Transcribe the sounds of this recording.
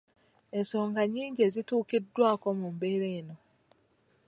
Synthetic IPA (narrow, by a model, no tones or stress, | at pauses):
e̞nso̞ːŋɡaɲiːɲɟe̞ːzituːkidːwaːko̞mumbe̞ːɾeːno̞